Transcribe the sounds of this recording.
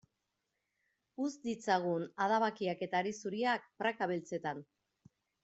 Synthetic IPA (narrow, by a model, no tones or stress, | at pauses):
uzd̪it͡saɣ̞unaðaβakiake̞t̪aːɾisuɾiak̚pɾakaβelt͡se̞t̪an